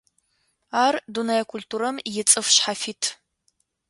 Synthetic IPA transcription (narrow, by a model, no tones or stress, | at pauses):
aːrdunajɐkʷʰultʰuːɾɐmjɪt͡sʼɨfɕħafitʰ